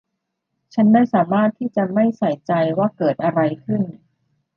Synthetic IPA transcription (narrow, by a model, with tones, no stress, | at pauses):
t͡ɕʰa˦˥ndaː˥˩jsaː˩˦maː˥˩t̪ʰːiː˥˩t͡ɕa˨˩ma˥˩jsa˨˩˦jt͡ɕa˧jwaː˥˩kɤː˨˩t̪̚ʔa˧ɾa˧jkʰɯ˥˩n